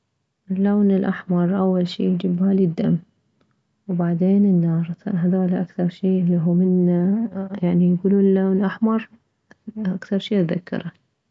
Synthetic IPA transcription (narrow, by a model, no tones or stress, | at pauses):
ʔɪlːoːnɪlʔaħmɑɾˤʔawːalʃḭːjd͡ʒɪbhalid̪ːamː | wbaʕd̪eːnɪnːɑːɾˤaɦad̪aːlaʔakθɑɾˤʃiːʔliɦuːmɪnːajaʕnijɡuːluːnlːaːnʔaħmɑɾˤ | ʔakθɑɾˤʃiːðakːɑ̰ɾˤa